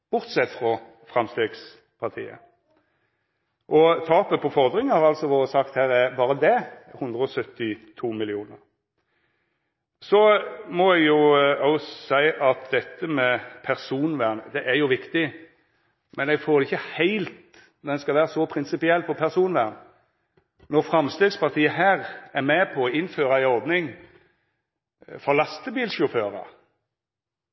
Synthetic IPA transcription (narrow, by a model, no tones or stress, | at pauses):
b̥ʊʁt̪sɛt̪ːfɾɑ | fʁɑmst̪eːɡs | pʰɑʁt̪ʰḭːə̰ | ʔɔt̪ʰɑːpəpʰɔfɔʁd̪ɾɪŋəhɑɾʁɑlsɔʋoːɾəsɑkt̪hæːɾæɾbɑːɾəd̪ɛhʉnd̪ʁəɔsœt̪ːɪt̪ʰuːmɪlɪuːnəʁ | sɔmɔɛɡjʊɔʊsæɪʔɑt̪̚d̪ɛt̪ʰːəmɛpʰæʁsuːnʋæːʁnəd̪ɛʔæjʊʋɪkt̪ɪ | mɛnɛɡfoːɾɛɪçːəhæɪlt̪ | dd̪ɛnskɑʋæːʁəsɔpʰɾɪnsɪpɪɛlpʰɔpʰæʁsuːnʋæːʁn | nɔʁfɾɑmst̪eːɡspɑʁt̪ʰiːəhæːʁæɾmɛpʰɔːɪnføːɾɑæɪɔɾd̪nɪŋ | fɔɾlɑst̪əbiːlʃʊføːɾɑ̰